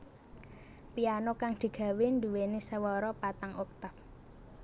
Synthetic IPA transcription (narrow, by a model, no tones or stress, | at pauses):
pianokaŋd̪̥i̤ɡ̥ä̤wend̪ṳwenisəwɔɾɔpat̪aŋuk̚t̪ap̚